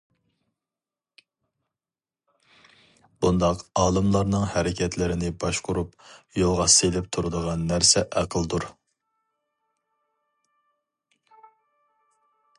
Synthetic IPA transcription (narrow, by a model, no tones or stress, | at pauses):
b̥und̪ɑqɑːlˠɨmlˠɑɾnɨŋhæɾɪkʲʰɛt̪ʰlɪɾɪnɪbɑʃqʊɾupjolˠʁɑselɪp̚t̪ʰuɾɨd̪əʁɑnːæɾsɛʔæqʰəlˠd̪uɾ